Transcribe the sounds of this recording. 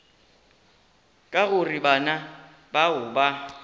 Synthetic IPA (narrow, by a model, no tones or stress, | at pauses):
kʼaɣʊribana | baʊba